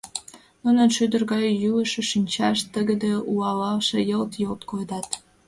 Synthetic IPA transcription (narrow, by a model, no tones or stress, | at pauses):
munə̆nʃyd̪ə̆rɣɑjjyəʃĕʃinʲt͡ɕɑʃt̪əɡə̆d̪ĕuɑlɑlʃĕjəlt̪jolt̪kojd̪ɑt̪